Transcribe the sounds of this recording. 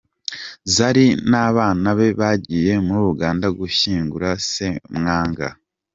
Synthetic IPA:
zaɾinaːβaːnaβe̞βaɟiːje̞muɾuɾuɡaːndaɡuʃiːŋɡuɾasemŋaːŋɡa̰

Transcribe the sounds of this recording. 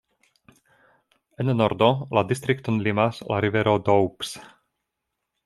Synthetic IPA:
ennoɾdoladist̪ɾiktonlimaslʔa̰ɾiveɾodowps

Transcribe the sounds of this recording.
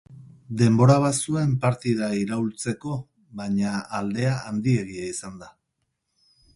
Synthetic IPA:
d̪e̞mbo̞ɾaβ̞asuempaɾt̪iðaiɾault͡se̞ko̞ | βaɲaːld̪e̞aand̪ie̞ɣ̞iaisand̪a

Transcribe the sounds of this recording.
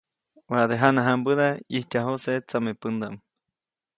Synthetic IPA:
waʔd̪eɦanaɦambɨðaihtʲaɦoset͡samepɨnd̪aʔm

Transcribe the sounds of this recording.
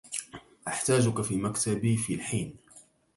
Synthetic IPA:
ʔaħt̪aːd͡ʒʊkafiːmakt̪abiːfiːlħiːn

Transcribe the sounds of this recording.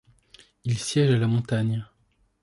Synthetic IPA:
ilsjɛʒalamɔ̃t̪aɲ

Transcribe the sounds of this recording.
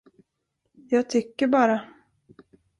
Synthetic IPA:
jɑːɡ̚t̪ʰʏkːəɾbɑːɾa

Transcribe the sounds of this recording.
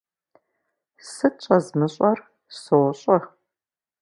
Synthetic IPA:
sɨt͡ʃʼɐzmɨɕʼɐr | sɨwɕʼɐ

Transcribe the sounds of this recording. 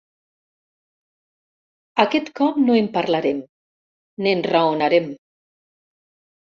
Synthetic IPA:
akɛt̪kɔpnoempaɾlaɾem | nenraonaɾem

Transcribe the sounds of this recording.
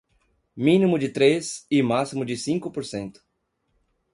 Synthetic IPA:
mĩnĩmʊd͡ʒɪt̪ɾesɪmasimʊd͡ʒɪsĩŋkʊpoɾsẽnt̪ʊ̥

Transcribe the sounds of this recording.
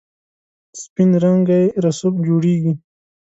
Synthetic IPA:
spinɾaŋɡaeɾasopd͡ʒoːɽeːɡi

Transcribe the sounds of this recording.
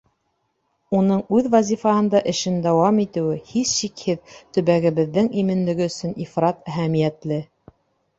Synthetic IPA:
unɤɴʉðvɑzʲifɑhɤ̆nd̪ɑʔɘ̆ʃɘnd̪æwɑmit̪ɘ̆wɘhisʃikhɘðt̪ɵ̆βæɡɘ̆βɘ̆ðːɘŋimɘ̆nlɘ̆ɡɘ̆ɵ̆sɵnifrɑt̪æɦæmijæt̪lɘ

